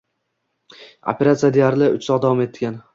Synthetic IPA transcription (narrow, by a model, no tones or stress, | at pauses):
o̰pʰe̞ɾat̪sijad̪ejaɾlɪʔʊt͡ʃsɒqd̪avɒme̞t̪ʰːɡʲan